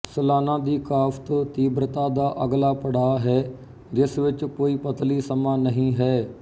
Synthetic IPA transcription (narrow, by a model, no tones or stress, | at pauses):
səlaːnãːd̪iːkaːft̪õːt̪iːbɾət̪aːd̪aːʔəɡlaːpəɽaːɦɛː | d͡ʒɪsʋɪt͡ʃkoːiːpət̪liːsəmaːnəɦĩːɦɛː